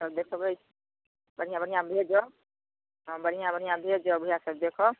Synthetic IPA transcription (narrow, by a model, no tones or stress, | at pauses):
səbd̪ekʰɔbəjt͡ʃʰ | bəɽ̤ijãbəɽ̤ijãbʱed͡ʒɔ | bəɽ̤ijãbəɽijãbʱed͡ʒɔbʱujasəb̚d̪ekʰɔ